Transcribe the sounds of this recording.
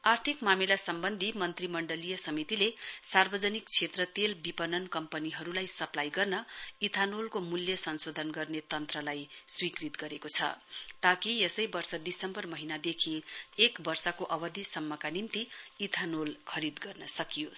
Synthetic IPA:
art̪ʰikmamilasʌmbʌnd̪ʱimʌnt̪rimʌɳɖʌlijʌsʌmit̪ilesarbʌd͡zʌnik̚t͡sʰet̪rʌt̪elbipʌnʌnkʌmpʌniɦʌɾulajsʌplajɡʌrnʌit̪ʰanolkomuljʌsʌnsod̪ʱʌnɡʌrnet̪ʌnt̪rʌlajswikrit̪ɡʌɾekot͡sʰʌ̰t̪akiesʌjbʌrsʌd̪isʌmbʌrmʌɦinad̪ekʰiekbʌrsʌkoʔʌbʌd̪ʱisʌmːʌkanint̪iit̪ʰanolkʰʌɾid̪ɡʌrnʌsʌkijo

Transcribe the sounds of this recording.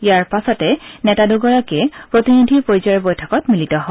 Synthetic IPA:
jaɹpasɔtɛnɛtaduɡɔɹakɛpɹotinid̪ʱiɹpoɹjzɔɹbɔjtʰɔkɔtmilitɔɦɔ

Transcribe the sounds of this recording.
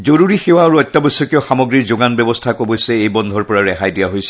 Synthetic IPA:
zoɹuɹixewaːɹuɔjt̪ːabɔjsːɔkiʊxamɔɡɹiɹzʊɡanbjɛbɔstʰakobojsɛejbɔnd̪ʱɔɹpɔɹaɹɛxajdijaɦojsɛ̥

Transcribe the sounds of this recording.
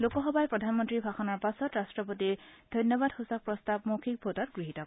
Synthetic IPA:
lokɔxɔbajpɹɔdʱanmɔntɹibʱaxɔnɔɹpasɔtɹastɹɔpotiɹd̥̪ʱɔjnjɔbadhusak̚pɹɔstab̚mokʰik̚bʱotɔtɡɹiɦitɔk

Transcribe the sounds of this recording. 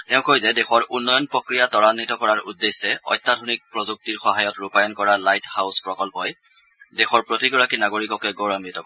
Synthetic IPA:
tɛʊ̃kojzɛdɛxɔɹunːɔjɔnpɹokɹijatɔɹanːitɔkɔɹaɹṵdːesːɛɔ̰jtːadʱonik̚pɹɔzuk̚tiɹxɔɦajɔtɹupajɔnkɔɹalajthawspɹɔkɔlpɔj | dexɔɹpɹotiɡɔɹakinaɡoɹikɔkɛɡoɹamɹitɔkɔ

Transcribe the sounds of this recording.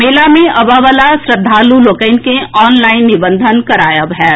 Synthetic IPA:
meːlamẽʔɐbaʋəlasɾəd̪ʱːaːluloːkəɪnkẽɔːnlaːɪnːɪbə̃nd̪ʱənkɐɾaːjabɦɛː

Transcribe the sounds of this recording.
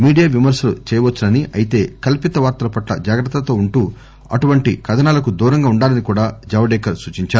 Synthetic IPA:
miːɽijaːʋimɐɾʃɐlut͡ʃɛːjɐʋɐt͡ʃːɐnɐniɐjit̪e̞ːkɐlpit̪ɐʋaːɾt̪ɐlɐpɐʈlɐ̰d͡ʒaːɡɾɐt̪ːɐt̪o̞ːuɳʈuː | ɐ̰ʈuʋɐɳʈikɐd̪ʰʱɐnaːlɐkud̪uːɾɐŋɡaːuɳɖaːlɐnikuːɽaːd͡ʒɐʋɐɖɛːkɐɾsuːt͡ʃiɲt͡ʃaːu

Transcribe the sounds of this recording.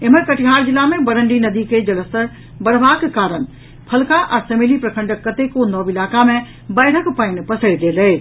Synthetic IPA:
ɪmə̃kɐʈʰiɦaːɾd͡ʑɪlamẽbɐɾə̃ɳɖinɐd̪ikʰed͡ʑɐləsəɾ | bɐɽʋaːkkaːɾən̆ | pʰɐlkaʔɐseːmelipɾɐkʰə̃ɳɖəkːɐt̪ekonɔːʋɪlaːkamẽ | bɐːɽ̤əkpɐɪn̆pɐsəɽd̪eːlɐeː

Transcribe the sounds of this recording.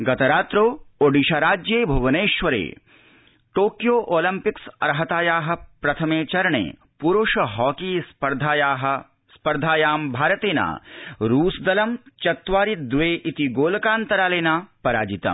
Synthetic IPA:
ɡɐt̪ɐɾaːt̪ɾoːoɖiʃaːɾaːd͡ʒjeːbʱɐʋɐneːʃʋɐɾḛː | ʈoːkjoːʔoːlɐmpiksɐ̰ɾɦɐt̪aːjaːɦɐ̆pɾɐt̪ʰɐmeːt͡ʃɐɾɐɳḛː | puɾuʂɐɦɔːkiːspɐɾd̪ʱaːjaːɦɐ | spɐɾd̪ʱaːjaːmbʱaːɾɐt̪eːna̰ːɾuːsd̪ɐlɐmt͡ʃɐt̪ʋaːɾid̪ʋeːʔit̪iɡoːlɐkaːnt̪ɐɾaːleːnaːpɐɾa̰ːd͡ʒit̪ɐ̰m

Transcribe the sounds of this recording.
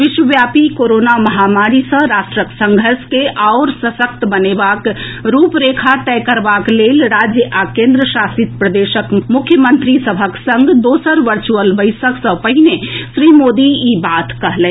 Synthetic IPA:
ʋɪʃwəʋjaːpikoːɾoːnamɐɦamaːɾisə̃ɾaːʃʈɾəksə̃ŋɡʱəɾskeʔaʊɾsəsək̚t̪bɐneːbakɾuːpɾeːkʰaʈ̪ɛkəɾbaːkleːlɾaːd͡ʒjəʔakẽːnd̪ɾəʃaːsit̪̚pɾəd̪eːʃəkmʊkʰːjəmə̃nt̪ɾisəbʱəksə̃ŋɡd̪oːsəɾʋəɾt͡ʃuəlʋəɪsəksə̃pəɦinesɾiːmoːd̪iibaːt̪kɐɦlɛ̃

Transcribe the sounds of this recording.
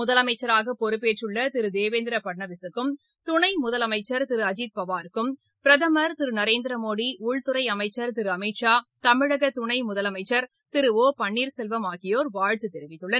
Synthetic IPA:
mʊðɐlɐmɐɪt͡ʃːɐɾaːɣɐpɔɾɯpːeːʈrɯɭːɐt̪ɪɾɯd̪eːʋeːnd̪ɪɾɐpɐʈɳɐʋɪsɯkːɯm | t̪ʊɳɐɪmʊðɐlɐmɐɪt͡ʃːɐɾt̪ɪɾɯɐd͡ʒit̪̚pɐʋaːɾɯkːɯm | pɪɾɐðɐmɐɾt̪ɪɾɯnɐɾeːnd̪ɪɾɐmoːɽiʊɭt̪ʊɾɐɪɐmɐɪt͡ʃːɐɾt̪ɪɾɯɐmɐɪʈʂaːt̪ɐmɪɻɐɣɐt̪ʊɳɐɪmʊðɐlɐmɐɪt͡ʃːɐɾ | t̪ɪɾɯoːpɐɳːiːɾsɛlʋɐmaːɣɪjoːɾʋaːɻt̪ɯt̪ɛɾɪʋɪt̪ːɯɭːɐn

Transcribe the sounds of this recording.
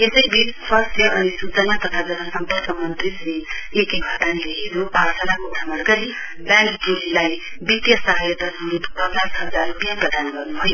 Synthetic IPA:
esʌjbissʌsjʌʔʌnisut͡sʌnat̪ʌt̪ʰad͡zʌnasʌmpʌkʰʌmʌnt̪risiekeɡʱʌd̪anleɦeɾuparsʰʌlakoʈʰamʌrɡʌɾi | baŋkʈolilaj | bit̪jʌsʌɦajʌt̪ʌsuɾut̪pʌt͡sasɦʌd͡zaɾbjaprʌd̪ʱanɡʌrnubʱʌjo

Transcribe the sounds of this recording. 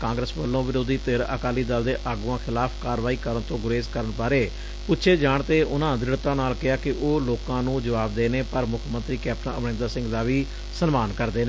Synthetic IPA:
kãːŋɡɾəsʋəlːõːʋɪɾoːd̪iːt̪ɪɾə̰kaːliːd̪əld̪eːʔaːɡuːãːkʰɪlaːpʰkaːɾʋaːiːkəɾəɳt̪õːɡʊɾeːskəɾəɳpaːɾeː | pʊtːʃʰeːd͡ʒaːɳt̪eːʔʊnãːd̪ɪɽt̪ãːnaːlkɪaːkɪʔoːloːkãːnũːd͡ʒəʋaːbd̪eːneːpəɾmʊkʰmə̃nt̪ɾiːkɛːp̚ʈənãəʋnẽːnd̪ɾaːsɪ̃ŋɡd̪aːʋiː | sənmaːnkəɾd̪eːne

